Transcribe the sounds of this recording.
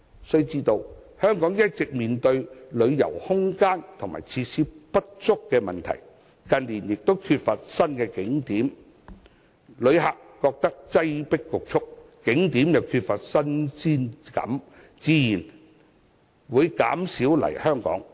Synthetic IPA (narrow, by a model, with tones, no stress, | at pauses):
sɵ˥˧ɥt͡siː˧t̪o˧w | hœː˥ŋkɔː˨˥ŋjɐ˥t̚t͡sɪ˨k̚miː˨nt̪ɵ˧ɥlɵ˨˧ɥjɐ̰˨˩whʊ˥ŋkaː˥nt̪ʰʊ˨˩ŋma̰ː˨˩jt͡sʰiː˧siː˧˥pɐ˥t̚t͡sʊ˥kːɛː˧mɐ˨˩nt̪ʰɐ̰˨˩j | kɐ˨nliː˨˩njɪ˨k̚t̪o˥wkʰyː˧t̚fɐ˨t̚sɐ˥nkɛː˧kɪ˨˥ŋt̪iː˨˥m | lɵ˨˧ɥɦaː˨kːɔː˧k̚t̪ɐ˥k̚t͡sɐ˥jpɪ˥kːʊ˨k̚t͡ʃʰʊ˥k̚kɪ˨˥ŋt̪iː˨˥mjɐ˨wkʰyː˧t̚fɐ˨t̚sɐ˥nsiː˥nkɐ̰˨˥m | t͡siː˧jiː˨˩n | wuː˨˧jka̰ː˨˥msiː˨˥wlɐ̰˨˩jhœː˥ŋkɔ̰ː˨˥ŋ